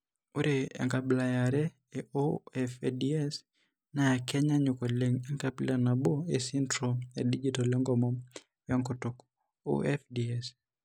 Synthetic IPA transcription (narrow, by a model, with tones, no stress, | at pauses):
o˦ɾeɛ̰˨ŋka˨bla˨ja˨ɾɛ˦ | eoɛfdiɛ˦s | na˨kɛ˦ɲa˦ɲʊ˨ko˨le˨ŋɛ˦ŋkabla˨na˨bo˦esintɾɔe˨di˦d͡ʒitɔ˨lɔ˦ŋɡɔ˨mɔ˦m | wa˦ŋkoto˨k | o̰ɛfdiɛs